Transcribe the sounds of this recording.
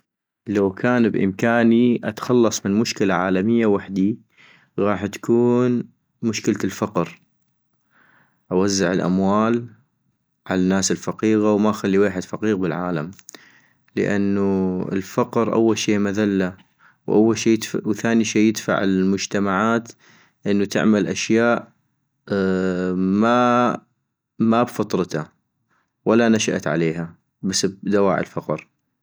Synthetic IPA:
lawkʰaːnbʔɪ̰mkaːniʔa̰t̪xɑlːɑsˤmɪnmʊʃkɪlaʕaːlamɪjːawaħd̪i | ɣɑːħt̪kuːn | mʊʃkɪlalfaqɾ | ʔawazːa̰ʕɪlʔa̰mwaːl | ʕalanːaːsɪlfaqiːɣawmaxalːiweːħɪd̪faqiːɣbɪlʕaːlam | lə̰ʔa̰nːuɪ̰lfaqɾʔa̰wːalʃiːmaðalːa | wʔa̰wːalʃiːwθaːniʃeːjɪd̪fa̰ʕɪlmʊd͡ʒt̪amaʕaːt̪ | ʔənːut̪ɪ̰ʕmalʔaʃjaːʔ | ma | mabfɑt̪ˤɾˤt̪a | walːanaʃaʔt̪ʕa̰leːɦa | basːbd̪awa̰ːʕə̰lfɑqɾ

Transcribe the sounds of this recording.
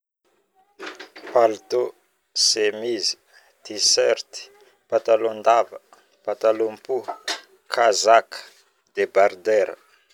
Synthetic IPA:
palt̪o | semizi̥ | t̪isɛɾt̪i̥ | pat̪alond̪avə | pat̪alompu | kʰazakə̥ | d̪ebard̪ɛɾə̰

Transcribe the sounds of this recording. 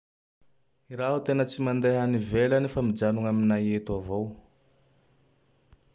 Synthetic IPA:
iɾaɦut̪enət͡simand̪eɦanivelanefamid͡ʒanuŋaminajet̪avow

